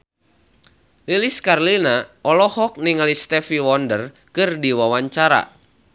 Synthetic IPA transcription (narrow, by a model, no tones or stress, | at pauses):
liliskarlinaʔɔlɔhɔk̚niŋalist̪ɛfiwɔndər | kɨrdiwawaɲt͡ʃaɾa̰